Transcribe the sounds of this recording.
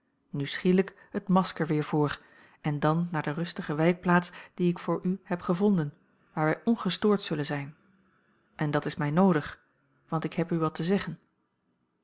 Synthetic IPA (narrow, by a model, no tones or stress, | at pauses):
nysχiːlək | hətmɑskəɹʋɪːɹvʊːɹ | ɛndɑnːaːdəʁɵstəχəʋɛjk̚plaːtsd̥iɪkfʊːɹʔyɦɛpχəvɔndən | ʋaːɹʋɛjʔɔnχəstʊːɹtsɵlənzɛjn | ʔɛndɑtɪsmɛjnowdəχ | ʋɑntɪkɦɛpyʋɑtəzɛχən